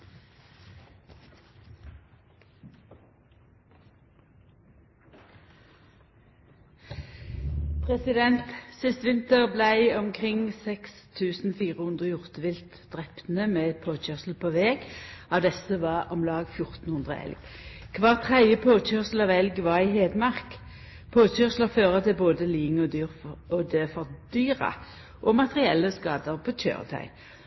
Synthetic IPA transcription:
pʰʁɛsɪd̪ɛnt̪sɪst̪ʋɪnt̪əʁblæɪɔmkʰʁɪŋsɛkst̪ʰʉːsn̩fiːʁəhʉnd̪ʁəjʊʁt̪əʋɪlt̪ | d̪̥ʁɛpn̩əmeːpʰoːc͡çœʁsl̩pʰoːʋeːɡɑʋd̪ɛsəʋɑʁɔmlɑːɡfjʊʁt̪n̩hʉnd̪ʁə̰ɛ̰lɡ | kʰʋɑːʁt̪ʰʁæd̪jəpʰoːt͡ʃøsl̩ɑʋɛlɡʋɑʁɪɦeːd̪mɑʁk | pʰoːt͡ʃœʁsləʁføːʁət̪ʰɪboːd̪əliːɪŋɔd̪yːʁɔd̪əfɔʁd̪yːʁɑ̰ | ʔɔmɑt̪əʁɪɛlːəskɑːd̪əʁpʰotø̰ːʁt̪ʰœ̰ʏ

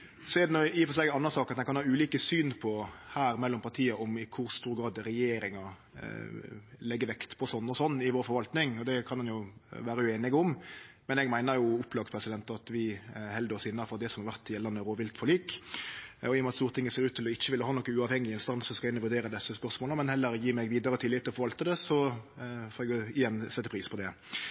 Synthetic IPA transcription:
seːd̪nɔɪfɔsɛɡɑnːəsɑːkɑt̪ɛnkɑnhɑːʉːliːkəsyːnpʰɔhæːɾmɛlːɔmpʰɑt̪ʰiːəʔɔmɪkʰʊɾst̪uːɾɡɾɑːd̪ɾɛjeːɾɪŋɑ | lɛɡːəʋɛkt̪pʰɔsɔnːɔsɔnːɪʋoːɾfɔɾʋɑlt̪nɪŋɔd̪ɛkʰɑnmɑnjʊʋæːɾəjʊeːnɪɡʊmmɛnɛɡmæɪnəjʊʊpːlɑːɡpʰɾɛsɪd̪ɛnt̪ɑt̪ʋɪhɛld̪əɔsɪnːəfɔɾd̪ɛsɔmhɑʁʋæʁt̪ɪjɛlːɑnːəɾoːʋɪlt̪fɔɾɭyːk | ɔɪjɔmɑt̪st̪uːɾt̪ʰɪŋːəseːɾʉːt̪ʰɪlɔɪçːəʋɪlːəhɑːnɔkːəʉːɑːʋhɛŋːɪɛnst̪ɑnsɔskɑɪnːəʋʉd̪eːɾəd̪ɛsːəspœɾsmoːləmɛnhɛlːəɾjiːmɛɡʋiːd̪əɾət̪ʰɪlːɪt̪ʰːɪɔfɔɾʋɑlt̪əd̪ɛsɔ | fɔːɾɛɡjʊɪjɛnsɛt̪ːəpɾiːspʰɔd̪ɛ

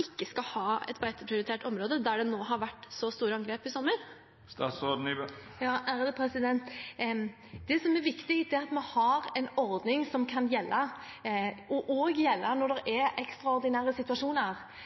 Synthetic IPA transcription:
ɪkːəskɑhɑːɛ̰t̪bæɪt̪əpʰɾɪʊɾɪt̪ʰeːʈɔmɾoːd̪əd̪æɖɛnoːɦɑɾʋæʈːsɔst̪uːɾəɑŋɡɾeːpɪsɔmːəɾ | st̪ɑːsɔdn̩jɑːʔæːɾəd̪əpʰɾɛsɪd̪ɛnt̪ | d̪ɛsɔmɛɾʋɪkt̪ɪhiːt̪d̪ɛæɾɑt̪mɛhɑɾɛnɔɾd̪nɪŋsɔmkʰɑnjɛlːʔə | ʔɔʔɔɡjɛlːənɔɖ̪ɛɾɛʔɛkst̪ɾɑɔɾd̪ɪnæːɾəsɪt̪ʉɑʂuːnəɾ

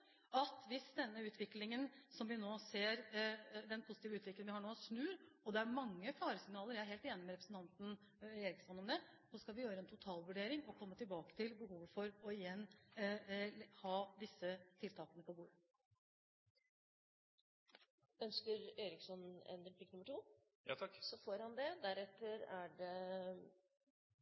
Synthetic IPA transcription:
ɑt̪ʋɪsd̪ɛnːəʉːt̪ʰʋɪklɪŋənsɔmʋɪnoːseːɾd̪ɛnpʰʊsɪt̪iːʋəʉːt̪ʋɪklɪŋʋɪhɑɳoːsnʉːɾɔd̪ɛæɾmɑŋːəfɑːɾəsɪŋnɑːləɾjæɾheːlt̪eːnɪmɛɾɛpɾəsn̩t̪ʰɑnt̪n̩ | eːɾɪksɔnːɔmd̪ɛsɔskɑlʋɪjøːɾəɛnt̪ʰʊt̪ʰɑːlʋʉɖeːɾɪŋɔkʰɔmːət̪ɪlbɑːkə̥t̪ʰɪlbəhuːʋəfɔɾɔɪjɛnː | hɑːd̪ɪsːət̪ʰɪlt̪ʰɑːkənəpʰɔbuːɾə | œnskəɾeːɾɪksɔnɛ̰nɾɛpʰlɪknʉmːəʈʰuː | jt̪ʰɑkːsɔfoːɾhɑnd̪ɛd̪æɾɛt̪ːəɾæɖɛ

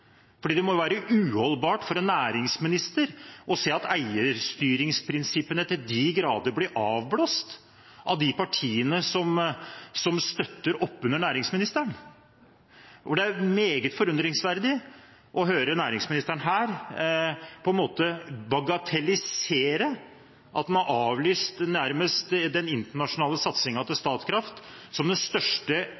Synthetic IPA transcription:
fɔɖiːd̪ɛmɔjʊʋæːɾəʔʉːhɔlbɑːʈfɔɾɛnːæːɾɪŋsmɪnɪst̪əɾʔɔseːɑt̪æɪəɾst̪yːɾɪŋspʰɾɪnsɪpənət̪ʰɪld̪ɪɡɾɑːd̪əblɪʔɑːʋbloːst̪ | ʔɑʋd̪ɪpɑʈʰiːənəsɔmsɔmst̪œt̪ːəɾɔpːʉnːəɳæːɾɪŋsmɪnɪst̪əæɳ | ʔɔɖ̪ɛæɾmeːɡət̪fɔɾʉnd̪ɾɪŋsʋæɾd̪ɪ | ʔɔɦøːɾənæːɾɪŋsmɪnɪst̪əɳɦæːɾ | pʰɔɛnmoːt̪əbɑɡɑt̪ʰɛlɪseːɾə | ʔɑt̪mɑnʔɑːʋlyːst̪næɾməst̪d̪ɛnɪnt̪əɳɑʂʊnɑːləsɑt̪sɪŋɑt̪ɪst̪ɑːt̪skʰɾɑft̪sɔmd̪ɛnst̪œʂʈə

